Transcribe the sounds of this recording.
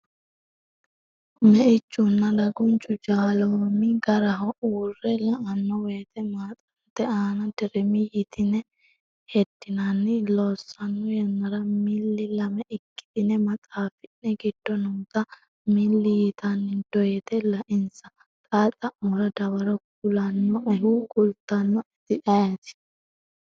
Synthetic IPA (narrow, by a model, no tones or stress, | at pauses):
mɛʔɪt͡ʃːʊnːɐdɐɡʊnt͡ʃʼʊd͡ʒaːloːmɪɡɐɾɐɦɔʔuːrːɛlɐʔɐnːɔweːt̪ɛmaːt̪ʼɐnt̪ːɛaːnɐd̪ɪɾɛmɪjɪt̪ʰɪnɛ | hɛd̪̥ːɪnɐnːɪloːsːɐnːɔjɛnːɐɾɐmɪlːɪlɐmɛʔɪkːɪ̥d̪ɪnɛmɐt̪ʼaːfɪnːɛɡɪd̪̥ːɔnʊːt̪ɐ | mɪlːɪjɪt̪ɐnːɪd̪̥ɔjɛt̪ɛlɐʔɪnsɐ | t̪ʼaːt̪ʼɐʔmɔɾɐd̪ɐwɐɾɔk | ʊlɐnːɔʔɛhuɡʊlt̪ːɐnːɔɪt̪ɪʔɐjɐt̪ɪ̥